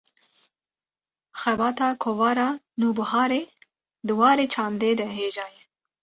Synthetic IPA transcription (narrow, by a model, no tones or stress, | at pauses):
xɛbɑːt̪ɑːkʰovɑːɾɑː | nuːbɨhɑːɾeː | d̪ɨwɑːɾeːt͡ʃʰɑːnd̪eːd̪ɛɦeːʒɑːjɛ